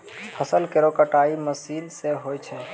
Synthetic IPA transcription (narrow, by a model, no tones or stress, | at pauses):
pʰəsəlkeɾoːkəʈaːiməsiːlseɦoːjt͡ʃʰɛː